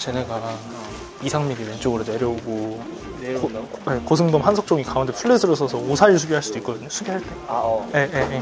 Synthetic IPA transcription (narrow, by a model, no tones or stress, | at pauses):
t͡ɕeneɡa | isʰaŋmiɡiwent͡ɕ͈oɡɯɾone̞ɾjʌuɡo | oje̞kos̬ʰɯmɡʌmɦansʰok̚t͡ɕ͈oŋikaundepʰuɭːesʰɯɾosʰʌsʰʌosʰaɾiɭsʰuɡiɦaɭs͈ud̥oik͈ʌdɯɲosʰuɡiɦaɭt͈e̞je̞jeje